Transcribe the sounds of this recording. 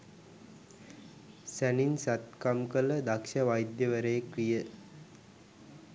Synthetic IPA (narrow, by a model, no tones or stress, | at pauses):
sæninsat̪̚kamkələd̪akʃəʋajd̪jəʋəɾəjəkɾijə